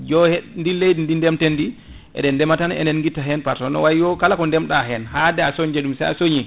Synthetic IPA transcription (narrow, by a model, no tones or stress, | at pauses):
d͡ʒɔhɛndilejdindindɛmtɛndi | ʔɛ̰ɗɛndɛmatanɛ̰nɛnŋɡitːaɦɛnpaɾtɔnɔ̰wajiwɔkalakɔndɛmɗaɦɛnɦadɛasoɲd͡ʒɛɗumsɛja̰soɲi